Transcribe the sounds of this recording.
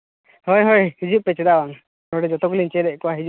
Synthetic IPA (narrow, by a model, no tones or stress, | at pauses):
hojɦojhid͡ʒuʔpɛt͡ʃɛd̪aɔn | ɔɽɛd͡ʒɔt̪ɔklint͡ʃɛd̪ɛʔkɔwaɦid͡ʒu